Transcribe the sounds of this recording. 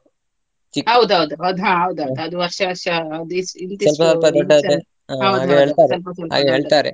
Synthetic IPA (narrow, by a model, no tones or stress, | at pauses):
t͡ʃikːɐwd̪ɦɐʋd̪uɐwd̪uɦãːɦɐwd̪uɐwd̪uɐd̪uʋɐɾʂɐɐsɐɐd̪isint̪isɐlpɐsɐlpɐd̪ɐɖːae | aɐwaːɡeɦeːɭtt̪aɾeɐlpɐsɐla̰ːɡeɦeːɭt̪aːɾḛ